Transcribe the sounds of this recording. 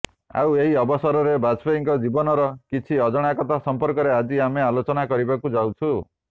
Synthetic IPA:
a̰weɦiɔbɔsɔɾɔɾebad͡ʒpɔiŋkɔd͡ʒibɔnɔɾɔkit͡ʃʰiɔd͡ʒɔɽ̃akɔt̪ʰasɔmpɔɾkɔɾead͡ʒiamealot͡ʃɔnakɔɾibakud͡ʒawt͡ʃʰu

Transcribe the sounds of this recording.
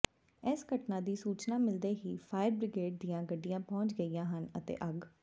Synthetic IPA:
ɛːsɡəʈnãːd̪iːsuːt͡ʃnaːmɪld̪eːɦiːpʰaːɪəɾbɾɪɡeːʈ̚d̪ijãːɡəɖːijãːpɔ̃ːt͡ʃɡəijãːɦənət̪ḛːʔəɡ

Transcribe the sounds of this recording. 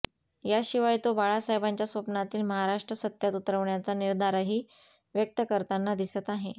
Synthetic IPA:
jaɕiʋajt̪obaɭasaɦjbaɲt͡ɕjasʋəpnat̪iːlməɦaɾaʂʈɾəsət̪jat̪ut̪ɾəʋɳjat͡saniɾd̪aɾəɦiː | ʋjək̚t̪əkəɾt̪anːad̪isət̪aɦe

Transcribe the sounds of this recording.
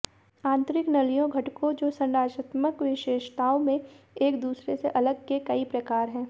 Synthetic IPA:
ãːnt̪ɾɪknɐlijõɡʱɐʈkõd͡ʒoːsɐ̃nɾaːd͡ʒət̪məkʋɪʃeːʃt̪aːõmẽ | eːkd̪uːsɾeseʔɐləɡ̚kekɐipɾɐkaːɾɦɛ̃ː

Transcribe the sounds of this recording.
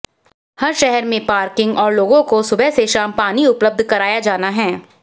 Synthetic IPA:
hɐɾʃɛɦɛɾmẽpaːɾkɪ̃ŋɡɔːɾloːɡõkosʊbʱɛseʃaːmpaːniʊpləb̚d̪ʱkɐɾaːjad͡ʒaːnaɦɛ̃ː

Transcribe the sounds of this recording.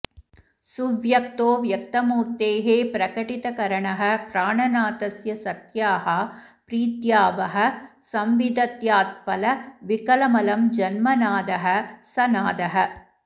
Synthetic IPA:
suʋjɐkt̪oːʋjɐkt̪ɐmuːɾt̪eːɦeːpɾɐkɐʈit̪ɐkɐɾɐɳɐɦɐ̆pɾaːɳɐnaːt̪ɐsjɐsɐt̪jaːɦɐ | pɾiːt̪jaːʋɐɦɐ̆sɐmʋid̪ɐt̪jaːt̪̚pɐlɐʋikɐlɐmɐlɐmd͡ʒɐnmɐnaːd̪ɐɦɐ̆sɐnaːd̪ɐɦɐ̆

